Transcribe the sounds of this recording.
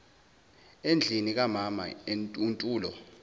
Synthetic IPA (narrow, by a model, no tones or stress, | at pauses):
end͡ɮʱinik̬amama̰euntʼuːlɔ